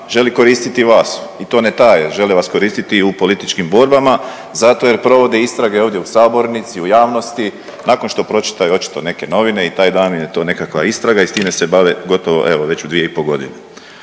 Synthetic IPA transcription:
ʒe̞liko̞ɾiːst̪it̪iʋaːsit̪o̞ːnet̪ajeʒe̞liʋasko̞ɾiːst̪it̪iupo̞lit̪it͡ʃkimbo̞ɾbama | zat̪o̞je̞ɾpɾo̞ʋo̞d̪eist̪ɾaɡeoːʋd̪je̞usaːbo̞ɾnit̪siujaːʋno̞st̪i | naːko̞nʃt̪o̞pɾo̞t͡ʃi̥t̪ajuo̞t͡ʃi̥t̪o̞ne̞ke̞no̞ʋine̞it̪aːjd̪aːnmimjet̪o̞ːne̞kakʋa̰ist̪ɾaɡaist̪iːme̞se̞baʋeɡo̞t̪oʋo̞̰ʔe̞ʋo̞ʋe̞t͡ɕud̪ʋijeipo̞ɡo̞d̪ine

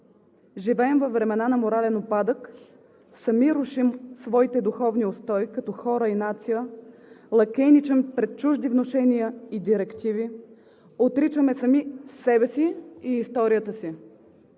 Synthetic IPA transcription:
ʒivɛɛmvɐvːɾɛmɛnanɐmoɾalɛnopːad̪ək | sɐmiɾuʃimsvɔit̪ɛd̪uxɔvniost̪ɔjkɐt̪ɔxɔɾəinat̪sijəlˠɐkɛnit͡ʃɛmpɾɛt̪̚t͡ʃuʒd̪ivnoʃɛnijəid̪iɾɛkt̪ivi | ot̪ɾit͡ʃəmɛsɐmisːɛbɛsiːst̪ɔɾijət̪əsi

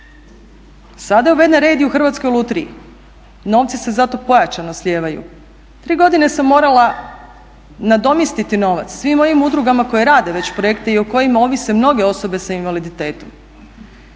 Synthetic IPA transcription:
sad̪ajeuʋe̞d̪naɾe̞d̪iuxr̩ʋat̪sko̞jolˠut̪ɾiji | no̞ːʋt̪sise̞zat̪o̞po̞jat͡ʃanoslʲje̞ːʋajṵ | t̪ɾiːɡo̞d̪ine̞samːo̞ːɾala | nad̪o̞mjist̪it̪ino̞ʋa̰t̪ssʋimːo̞jimud̪ɾuɡamako̞jeɾaːd̪e̞ʋe̞t͡ɕpɾoje̞kt̪eioko̞jimao̞ʋise̞mno̞ɡe̞o̞so̞be̞sainʋalid̪it̪e̞ːt̪om

